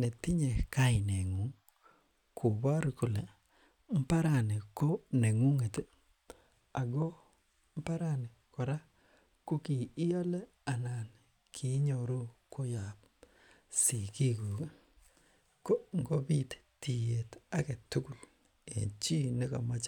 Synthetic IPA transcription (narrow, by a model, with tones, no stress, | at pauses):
ne˨tɪ˦ɲe˨ka˦ɪ˨ne˨ŋu˨˦ŋ | kʰʊ˨βa˦ɾkʊ˨le˨ | m̩˦pa˦ɾa˨ne˨ko˦ne˨ŋu˦ŋe˨t | a˨ɡo˦ | m̩˦pa˦ɾa˨ne˨kɔ˨ɾa˦ | ko˦ki˨˦jɔ˦lɛ˦ | a˨na˨n | kʰi˨˦ɲo˨ɾo˦kʰo˦ja˨p̚ | si˨ki˦ɡu˨k | ko˦ŋɡo˦bi˦tti˨je˨ta˦ke˨tu˦ku˨l | ḛ˨t͡ʃi˦ne˦kɔ̰˨ma˦t͡ʃ